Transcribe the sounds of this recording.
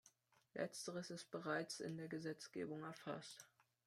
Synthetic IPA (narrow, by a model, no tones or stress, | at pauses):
lʔɛ̰t͡stəʁəsɪs̚b̥əʁaɪt͡sɪ̰ndeːɐɡəzɛt͡sɡ̥ḛːbʊŋɛɐfa̰st